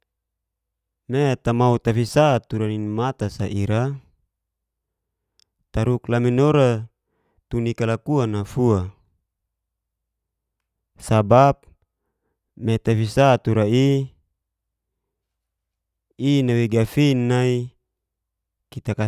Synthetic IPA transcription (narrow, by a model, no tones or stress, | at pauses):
net̪amaut̪afisat̪uɾaninmat̪asaʔiɾa | t̪aɾuklaminoɾa | t̪unikalakuanafua | sabap̚ | mɛt̪afisat̪uɾai | inawiɡafinːai | kit̪aka